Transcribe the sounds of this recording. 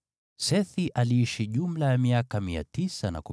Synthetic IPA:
sɛθiʔaliiʃiʄum̩lajamiakamia̰tisana̰ku

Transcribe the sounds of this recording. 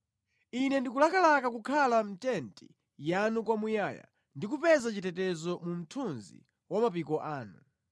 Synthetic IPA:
inɛndikulakalakakukʰalam̩tɛntḭ | janukwamujaːja̰ | ndikupɛzat͡ʃitɛtɛzɔmum̩tʰunzḭ | wamapikɔʔaːnṵ

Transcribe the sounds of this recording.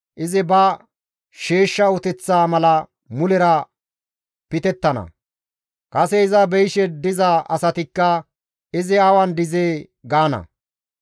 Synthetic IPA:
ʔɪzɪbɐ | ʃeːʃːɐʊt̪ɛt͡sːaːmɐlɐ | mʊlɛɾɐ | pɪt̪ɛt̪ːɐnɐ̰ | kɐsɛɪzɐbɛjʃɛd̪ɪzɐʔɐsɐt̪ɪkːɐ | ɪzɪɐwɐnd̪ɪzeː | ɡaːnɐ̰

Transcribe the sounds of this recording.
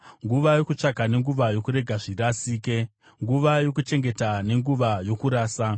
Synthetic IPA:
ŋɡuʋajo̞kut͡ʂakane̞ŋɡuʋajo̞kuɾe̞ɡʱaʐiɾasiːke | ŋɡuʋajo̞kut͡ʃe̞ŋɡetane̞ŋɡuʋajo̞kuɾaːsa

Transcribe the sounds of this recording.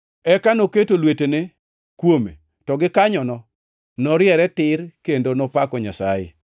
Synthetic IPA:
ɛkanoketolwetene | kwomḛ | tɔɡɪkaɲɔnɔ | nɔɾjɛɾɛtɪɾkendonɔpakɔɲasajɪ̰

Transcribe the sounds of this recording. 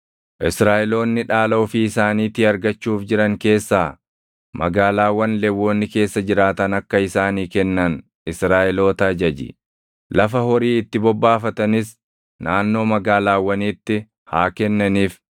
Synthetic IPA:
ʔɪsɾaːʔɛlo̞ːnːɪᶑaːlɐʊfɪːsaːniːt̪ɪɐɾɡɐt͡ʃːuːfd͡ʒɪɾɐŋke̞ːsːaː | mɐ̰ɡaːlaːwːɐnlɛwːo̞ːnːɪke̞ːsːɐd͡ʒɪɾaːt̪ɐnɐkːɐɪsaːniːkɛnːɐn | ɪsɾaːʔɛlo̞ːt̪ɐd͡ʒɐd͡ʒɪ̰ | lɐfɐhɔɾiːɪt̪ːɪbɔbːaːfɐt̪ɐnɪs | naːnːo̞ːmɐɡaːlaːwːɐniːt̪ːɪ | haːkɛnːɐniːf

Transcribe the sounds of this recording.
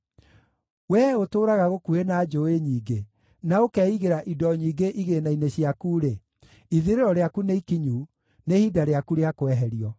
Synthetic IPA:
wɛotoːɾaɣaɣokuenaːd͡ʒoeɲiːɡe | naokɛiɣeɾaʔidɔɲiːɡeʔiɣenaineɕiakuːɾe | iðiɾeɾɔɾeakuneikiɲu | nehidaɾeakuɾeakowɛɦɛɾiɔ

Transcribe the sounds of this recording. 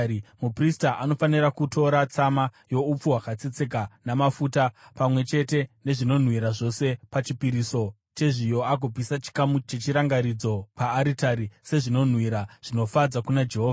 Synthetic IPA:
mupristaʔano̞fanirakutʰo̞ɾat͡samajo̞up͡fuwakat͡set͡se̞kanamafuːtapamwe̞t͡ʃe̞te̞ne̞ʐino̞n̤wiɾaʐo̞se̞pat͡ʃipiɾiso̞ | t͡ʃe̞ʐijo̞ak̬opisat͡ʃi̥kamut͡ʃe̞t͡ʃiɾaŋɡaɾid͡zo̞paːɾitaɾise̞ʐino̞n̤wiɾaʐ̥ino̞fad͡zakunad͡ʒe̞ɦoːa

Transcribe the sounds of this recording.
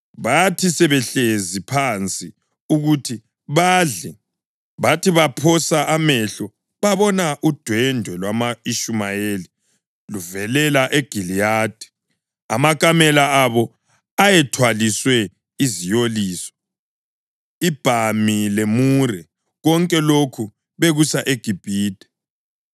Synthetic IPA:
βatʰisɛβɛɬezipʰant͡sʼi | uɣutʰi | βaɮɛ | βatiβapʰɔsaʔamɛɬɔ | βaβɔnaʔud̥ʱwɛndʱwɛlwamaiʃumajeli | luvɛlɛlaʔeɡ̥ʱilijaːd̥ʱɛ̥ | a̰makʼamɛlaaβɔ | ajɛtʰwaliswɛ | izijoliːsɔ̥ | ib̥ʱamilemurɛ | ɣɔŋkʼɛlokʰu | βeɣusaʔeɡ̥ʱib̥ʱiːd̥ʱɛ̥

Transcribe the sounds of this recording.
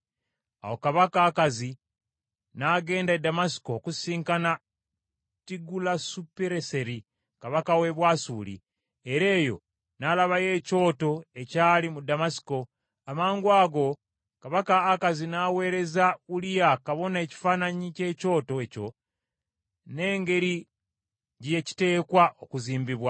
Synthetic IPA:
a̰wo̞kaβakaːkazi | naːɡe̞ːndadamasi̥ko̞kusiːŋkana | tiɡulasupeɾese̞ɾi | kaβakawe̞βwaːsuːlḭ | eɾe̞ːjo̞̰ | nalaβaje̞ːco̞ːto̞e̞caːlimudamasi̥ko̞ | amaːŋɡwaːɡo̞ | kaβakaːkazinaːwe̞ːɾe̞zaulijakaβo̞ne̞ːci̥faːnaɲice̞ːco̞ːto̞eco̞ | ne̞ːŋɡe̞ɾi | ɟjeci̥te̞ːkwaʔo̞kuziːmbiβwa

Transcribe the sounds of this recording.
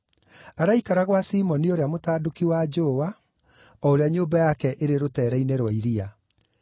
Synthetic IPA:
aɾaikaɾaɣwasiːmɔnioɾeamotaːdokiwad͡ʒoowa | ɔoɾeaɲoːmbajakɛʔeɾeɾotɛːɾainɛɾwaiɾia

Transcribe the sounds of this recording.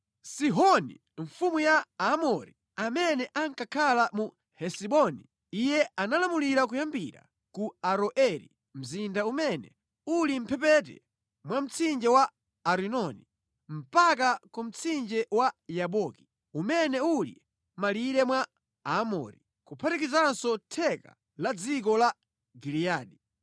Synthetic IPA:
siɦɔnḭ | ɱfumujaamɔɾi | amɛnɛʔaŋkakʰalamu | hɛsiɓɔni | ijɛanalamuliɾakujambiɾa̰ | kuaɾɔʔɛɾḭ | m̩zindaumɛnɛ̰ | ulim̩pʰɛp̬ɛtɛ̰ | mwam̩t͡sʰind͡ʒɛwa | aɾinɔni | m̩pak̬akum̩t͡sʰind͡ʒɛwajaɓɔki̥ | umɛnɛulḭ | maliɾɛmwa | amɔ̰ɾi | kupʰatikizansɔtʰɛka̰ | lad͡zik̬ɔla | ɡilijaːɗi

